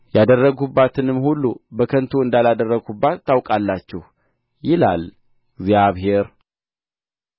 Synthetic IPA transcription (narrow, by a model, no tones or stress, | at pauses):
jad̪ərːəɡubːat̪ʰɨnɨmhulːubəkʰənt̪ʰoɨnd̪alad̪ərːəɡubːat̪ːawkʼalːat͡ʃːɛh | jɪla̰l | ɡzjaβɦe̞ɾ